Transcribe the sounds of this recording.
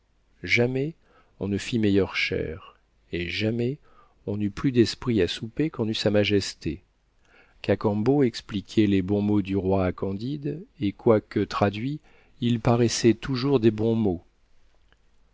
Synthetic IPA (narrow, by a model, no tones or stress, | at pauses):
ʒamɛ | ɔ̃nəfimɛjœʁʃɛ̰ʁ | eʒamɛ | ɔ̃nyplyd̪ɛspχiasupekɔ̃nysamaʒɛst̪e | kakɑ̃boɛksplikʲʰɛlebɔ̃mod̪yʁwaːkɑ̃d̪id̪ekwakət̪χad̪ɥi | ilpaʁɛsɛt̪uʒuʁd̪ebɔ̃mo